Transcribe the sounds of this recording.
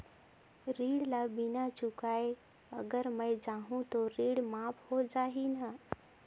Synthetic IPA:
ɾiːɽlabɪnat͡ʃʊkaːe | ɐɡəɾmə̃jd͡ʒaːɦũt̪oɾiːɽmaːphod͡ʒaːɦinə

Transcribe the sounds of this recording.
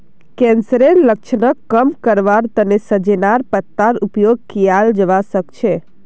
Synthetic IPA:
kensəɾeɾlək̚t͡ʃʰnəkːəmkəɾʋaɾt̪ənesəd͡ʒenaɾpət̪ːaɾupjoɡ̚kijald͡ʒəʋasəkt͡ʃʰe

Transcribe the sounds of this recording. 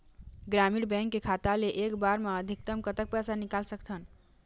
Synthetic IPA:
ɡɾamiɽbɛ̃ŋkːekʰat̪aleʔekbaɾmaəd̪ʱik̚t̪əmkət̪ək̚pasanikalsəkt̪ʰən

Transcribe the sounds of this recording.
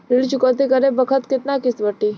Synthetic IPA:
ɾɪɭt͡ʃukət̪̬ikəɾẽbəkʰət̪kɪt̪nakɪsʋəʈːi

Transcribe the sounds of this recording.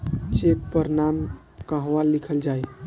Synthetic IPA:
t͡ʃek̚pəɾnam | kəɦʋalːikʰəld͡ʒaj

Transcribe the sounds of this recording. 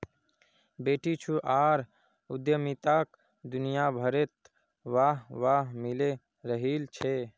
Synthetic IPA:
beːʈit͡ʃʰuʔaːɾ | ud̪jəmit̪ak | d̪unijabʱəɾet̪ | ʋaɦʋaɦmile | ɾəɦilt͡ʃʰe

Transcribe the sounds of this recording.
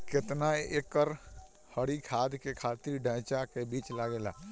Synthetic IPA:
kɪt̪naeːkːəɾ | həɽikʰaːd̪kekʰaːt̪iɾɖʱə̃ːt͡ʃakebiːt͡ʃlaɡeːla̰ː

